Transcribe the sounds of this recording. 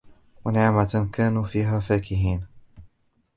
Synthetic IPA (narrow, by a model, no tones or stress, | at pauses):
wanɪʕmakʰaːnuːfiːɦaːfaːkɪɦiːn